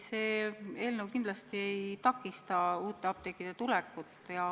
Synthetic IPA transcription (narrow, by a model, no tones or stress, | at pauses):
seːe̞ːlnəwkind̪lɑst̪ie̞jt̪ɑkːˑist̪ɑuːt̪ːˑe̞ɑb̥̚t̪e̞kːˑid̪̥e̞t̪ulɛkːut̪ːˑjɑ